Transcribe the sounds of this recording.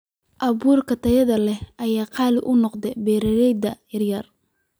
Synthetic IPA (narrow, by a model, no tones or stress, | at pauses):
ʔɐβuːrkʰɐt̪ʰɐjɐðɐlɛhʔɐjaːqɑːlɪʔʊnɔqd̪ɛbɛːɾɐɾɛjd̪ɐjɐrjɐr